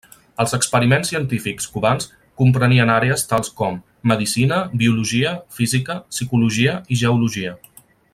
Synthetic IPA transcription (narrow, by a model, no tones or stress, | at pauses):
əlˠzəkspəɾimensːiənt̪ifikskuβans | kumpɾəniənaɾeəst̪alˠskɔmː | əðisinəbiuluʒiəfizikəsikuluʒiəiʒəuluʒiə